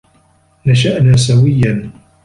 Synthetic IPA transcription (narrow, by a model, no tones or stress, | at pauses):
naʃ̬aʔnaːs̬awɪjːan